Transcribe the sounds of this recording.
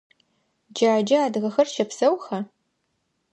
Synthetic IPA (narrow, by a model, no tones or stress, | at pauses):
d͡ʒaːd͡ʒɐaːdʁɐxɐrʃɐpsɐwxɐ